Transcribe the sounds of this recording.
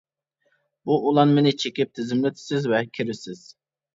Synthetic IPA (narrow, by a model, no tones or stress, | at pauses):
buʔulˠɑnmenɪt͡ʃʰekʲɪp̚t̪ʰɪzɪmlɪt̪ʰɪ̥sɪzvɛkʲʰiɾɪsɪz̥